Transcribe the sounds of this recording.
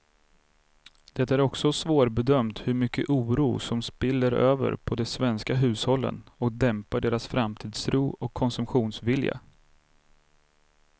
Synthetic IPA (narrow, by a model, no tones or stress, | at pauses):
d̪ɛt̪ːæɾɔksɔsvoːɾbɛd̪œmt̪hɵɾmʏkːə̰ʔuːɾuːsɔmspɪlːəɾøːvə̰ɾpʰɔd̪ɛsvɛnskaɦʉ̟ːshɔlːə̰nɔk̚d̪ɛmpaɖeːɾasfɾamt̪ʰiːd̪sɾuːɔkʰːɔnsɵmpɧuːnsvɪlja̰